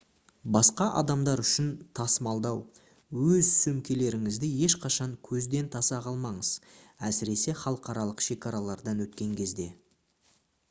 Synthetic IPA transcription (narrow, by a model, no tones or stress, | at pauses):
bɑsqɑʔɑd̪ɑmd̪ɑɾʏʃɪnt̪ʰɑsmɑlˠd̪ɑw | wɵzsɵmkʲe̞le̞ɾɪŋɪzd̪ɪje̞ʃqɑʃɑŋkʲʰɵzd̪e̞nt̪ʰɑsɑʁɑlˠmɑɴəzæsɪɾe̞se̞χɑlˠəqɑɾɑlˠəqʃe̞kʲɑɾɑlˠɑɾd̪ɑnwɵt̪kʲe̞ŋkʲʰe̞zd̪e̞